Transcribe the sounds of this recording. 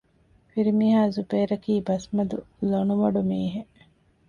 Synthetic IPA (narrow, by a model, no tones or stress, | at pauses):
fiɾimiɦaːzubeːɾɐkiːbɐsmɐd̪u | lonuʋɐɖumiːɦe